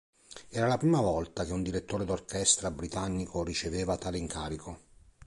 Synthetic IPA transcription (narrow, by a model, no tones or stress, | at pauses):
ɛːɾalapɾiːmavɔlt̪ak̟eund̪iɾet̪ːoːɾed̪orkɛst̪ɾabɾit̪anːikʰorit͡ʃeveːvat̪aːleiŋkaːɾikʰo